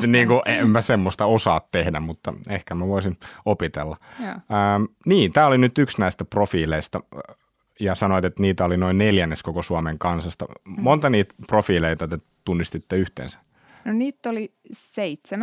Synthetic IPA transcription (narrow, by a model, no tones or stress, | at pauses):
niːŋkuʔempæsemːost̪ɑosɑːt̪t̪ehdæmmut̪ːɑ̰ehkæmæʋoisinopit̪ḛlːɑəːmniːnt̪æːolinyt̪yksnæist̪æprofiːleist̪ɑ̰ | jɑsɑnoʋit̪et̪niːt̪æolinoinneljænːeskokosuɑmeŋkɑnsɑst̪ɑ̰mont̪ɑniːt̪profiːleit̪ɑt̪e | t̪unːist̪it̪ːeyht̪ḛːnsæ̥ | noniːt̪ːoliseit̪sem